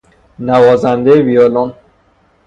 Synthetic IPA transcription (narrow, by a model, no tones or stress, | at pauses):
nævɒːzænd̪ejevijɒːlon